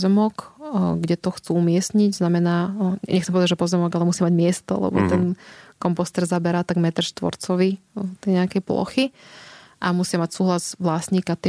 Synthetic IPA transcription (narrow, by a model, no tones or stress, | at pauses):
zɛmɔkɡɟɛt̪ɔxt͡suːumɪɛsɲiɟznamɛnaːʔɛxt͡sɛmpɔɛd̪ad͡ʒʒɛpɔzɛmɔɡalɛmusiamaɟmɪɛst̪ɔ̰lɛ̰bɔ̰t̪ɛnkɔmpɔst̪ɛɾzabɛɾaːt̪aɡmɛt̪ɾʃt̪ʋɔ̰ɾt͡sɔʋi | t̪ɛjɲɛakɛjplɔ̰xi | ʔamusɪamacsuːɦlazʋlasɲiːkat̪i